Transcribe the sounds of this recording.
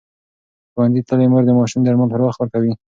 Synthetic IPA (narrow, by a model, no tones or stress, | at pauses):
xwanzit̪əlejməɾd̪əmɑʃumd̪aɾmalpəɾwaxt̪wəɾkawi